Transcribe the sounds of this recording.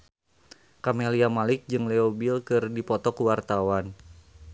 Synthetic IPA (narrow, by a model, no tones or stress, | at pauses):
kameliamalɪk̚d͡ʒɨŋlɛobilkɨrdipɔt̪ɔkuwart̪awan